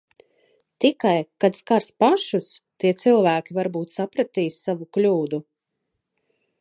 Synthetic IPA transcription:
t̪ikajkad̪skaɾspaʃust̪iɛt̪silˠvæːkʲivaɾbuːt̪sapɾat̪iːsːavuklʲuːd̪u

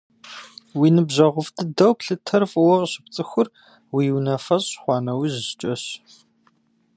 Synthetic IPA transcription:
wiːnɨbʑɐʁʷʊftʰɨdɐwpɬɨtʰɐrfwɐʁɕɪp̚t͡sʼɨxʷʊr | wiwnɐfɐɕʼχʷɑːnɐwiːʑɪɕt͡ʃʼɐɕ

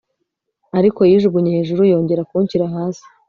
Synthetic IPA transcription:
aɾiko̞jiːʒubɡuɲeheʒuɾujo̞ːɲɟe̞ɾakuɲciɾaɦaːzi̥

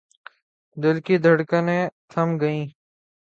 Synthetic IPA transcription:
d̪ɪlkiːd̪ʱəɽkənẽːt̪ʰəmɡəĩː

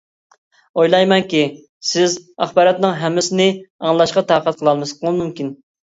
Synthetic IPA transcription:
ojlˠɑjmɛnkʲi | sɪzɑχbɑːɾɑt̪nɨŋɦɛmːɪsɪnɪɑŋəlˠɑʃqɑt̪ɑːqət̪̚qʰəlˠɑlˠmɨsqʰəlˠmumkʲin

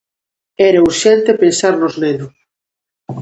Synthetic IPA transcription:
ɛɾauɾʃɛnt̪epẽnsaɾlozmenʊ

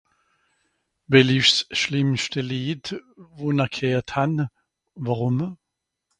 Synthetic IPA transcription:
bɛlifsʃlɪmʃtəliːdvuːnakʰeːthan | vaʁʊm

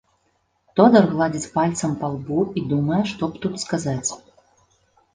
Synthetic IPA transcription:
t̪ɔd̪ɐrɣlˠad͡zʲit͡sʲpalʲt̪sɐmpalˠbuid̪umɐjɛʂt̪ɔpt̪ut̪skazat͡sʲ

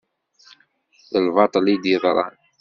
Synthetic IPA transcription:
ðəlvɑt̪ˤlid̪iðˤɾˤɑ̰n

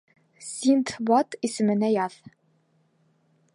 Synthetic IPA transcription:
sʲint̪bɑt̪isɘ̆mɘ̆næjɑð

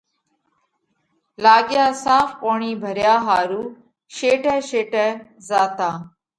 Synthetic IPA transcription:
laːɠjaːsaːfpoːɳiːbʱəɾjaːɦaːɾuː | ʃeːʈɛːʃeːʈɛːzaːt̪ãː

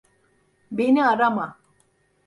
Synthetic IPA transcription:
bineaɾama

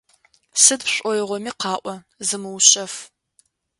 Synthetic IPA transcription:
sɨdɕʷʼɔjʁʷɔmiːqɑːʔʷɔ | zɨmɨwɕʼɐf

